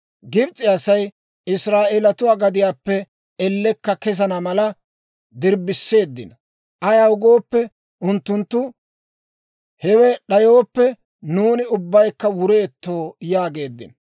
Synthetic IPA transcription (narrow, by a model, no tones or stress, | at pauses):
ɡɪbt͡sʼɪɐsɐj | ɪsɾaːʔeːlɐt̪ʊwaːɡɐd̪ɪjaːpːɛ | ɛlːɛkːɐkɛsɐnɐmɐlɐ | d̪ɪɾbɪsːe̞ːd̪ːɪ̰nɐ | ʔɐjaʊɡo̞ːpːɛ | ʊnt̪ːʊnt̪ːʊ | hɛwɛɗɐjo̞ːpːɛ | nuːnɪʊbːɐjkːɐwʊɾeːt̪ːo̞ːjaːɡe̞ːd̪ːɪ̰nɐ